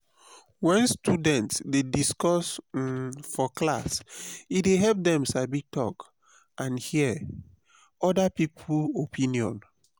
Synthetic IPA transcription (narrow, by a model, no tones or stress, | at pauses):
wɛ̃nstudɛ̃ntsdediskɔs | fɔklasideɦɛp̚dɛ̃msabitɔ̰k | ãnhiɛ | ɔdapipʰuopʰĩniɔ̰̃n